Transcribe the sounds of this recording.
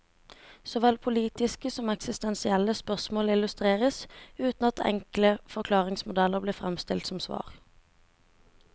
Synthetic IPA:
sɔʋɛlpʰʊliːt̪ɪskəsɔmɛksɪst̪ɛnsɪɛləspœʁsmoːlɪlʉst̪ʁeːʁəsʉːt̪n̩ɑt̪ʰɛ̰ŋkləfɔʁkʰlɑːʁɪŋsmʊd̪ɛləʁbliːfʁɛmst̪ɪlt̪sɔmsʋɑ̰ːʁ

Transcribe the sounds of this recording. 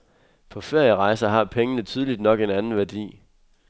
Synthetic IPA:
pʰɒ̽feɐjəʁɑ̈ɪsɐɦɑ̈pʰeŋənət͡sʰyð̞ˠlid̥nɒ̽ɡ̥e̝nænn̩ʋæɐd̥ḭː

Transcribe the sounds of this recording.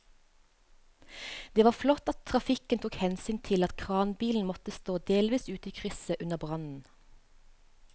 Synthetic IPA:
d̪̥eːʋɑːflɔt̪ɑt̪ʰʁɑfɪkənt̪ʰuːkhɛnsyːnt̪ʰɪlɑt̪kʰʁɑːnbiːln̩mɔt̪əst̪oːd̪eːlʋiːsʉːt̪əiːkʰʁʏsəʔʉnəbʁɑnn̩

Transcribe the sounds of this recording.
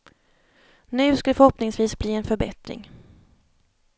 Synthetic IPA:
nʉ̟ːskad̪ɛfœɾhɔpnɪŋsviːsbliːɛnfœɾbɛ̰t̪ɾɪ̰ŋ

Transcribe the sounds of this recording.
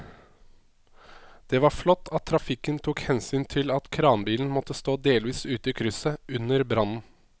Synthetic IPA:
d̪̥ɛʋɑflɔt̪ʰːɑt̪ʰːɾɑfɪkːənt̪ʰuːkhɛnsyːnt̪ʰɪlɑt̪kʰɾɑːnbiːln̩mɔt̪ːəst̪oːd̪eːlʋiːsʉːt̪əɪkʰɾʏsəʉnəɾbɾɑnn̩

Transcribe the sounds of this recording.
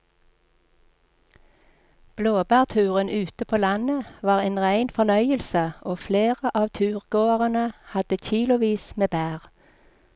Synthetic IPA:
b̥loːbæːʁt̪ʰʉːʁənʔʉːt̪əpʰoːlɑnəʋɑːʁeːnʁæɪnfɔnœʏəlsəʔoːfleːʁəʔɑːʋt̪ʰʉːʁɡoːəʁənəhɑd̪̥əçiːlʊʋiːsmeːbæːʁ

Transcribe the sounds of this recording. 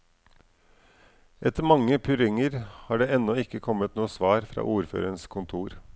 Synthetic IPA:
ʔɛt̪əɾmɑŋːəpʰʉɾɪŋəɾhɑːɖeːɛnːɔɪkːəkʰɔmːət̪nuːsʋɑːɾfɾɑ̰ːʔuːɾfø̰ːɾənskʰʊnt̪ʰuːɾ

